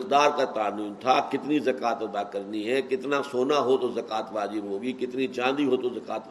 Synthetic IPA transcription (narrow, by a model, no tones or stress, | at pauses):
kd̪aːɾkat̪aːniːnt̪ʰakɪt̪nizɐkaːt̪ɐd̪akɐɾniɦɛ̃kɪt̪nasoːnaɦot̪ozɐkaːt̪ʋaːzɪbɦoːɡikɪt̪nit͡ʃãːnd̪iɦot̪ozɐkaːt̪